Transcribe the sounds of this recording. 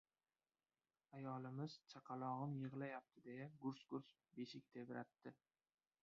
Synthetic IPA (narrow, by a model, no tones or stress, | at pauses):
ajɒlɪmɪz̥t͡ʃʰaqʰɑlˠɒʁɨmjɨʁlajap̚t̪ʰɪd̪e̞jaɡʊɾsɡʊɾs | beʃɪk̚ʲt̪ʰe̞vɪɾat̪ːɪ